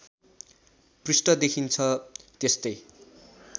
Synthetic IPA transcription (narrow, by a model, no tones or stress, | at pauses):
prisʈʌd̪ekʰint͡sʰʌt̪est̪ʌj